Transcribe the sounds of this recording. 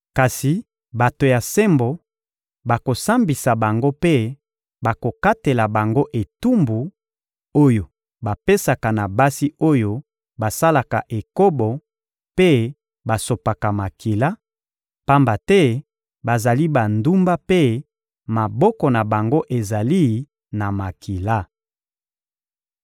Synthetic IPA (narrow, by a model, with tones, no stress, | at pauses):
ka˨si˨ | ba˨to˨ja˨se˦mbo˨ | ba˨ko˨sa˦mbi˨sa˨ba˨ŋɡo˦pe˦ | ba˨ko˨ka˦te˨la˨ba˨ŋɡo˦ʔe˨tu˦mbu˨ | o˦jo˨ | ba˨pe˦sa˨ka˨na˨ba˦si˦o˦jo˦ | ba˨sa˦la˨ka˨ʔe˨ko˦bo˨ | pe˦ | ba˨so˨pa˨ka˨ma˨ki˨la˦ | pa˦mba˨tɛ˦ | ba˨za˨li˦ba˨ndu˦mba˦pe˦ | ma˨bɔ˦kɔ˨na˨ba˨ŋɡo˦ʔe˨za˨li˦ | na˨ma˨ki˨la˦